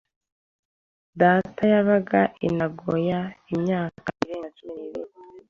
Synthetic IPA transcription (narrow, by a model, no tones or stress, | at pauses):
daːtʰajaβaɡaʔinaɡojaimɲaːkkaiɾeːŋɡat͡ʃuminiβi